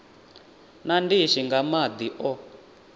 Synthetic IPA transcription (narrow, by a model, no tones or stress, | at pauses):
nandiʃiŋɡamad̪iʔɔ